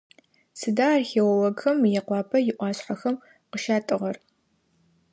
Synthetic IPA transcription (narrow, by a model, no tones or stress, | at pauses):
sɨdaːrxeːwɐwɐɡxɐmjɛqʷɑːpʰɐjɪʔʷɑːɕħaxɐm | qəʃaːtʼɨʁɐr